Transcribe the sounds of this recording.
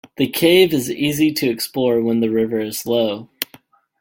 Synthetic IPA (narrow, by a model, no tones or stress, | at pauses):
ðɨkʰeɪvɨziziɾɨɨksplɔɹwə̃nðɨɹɪvə˞ɨz̥loʊ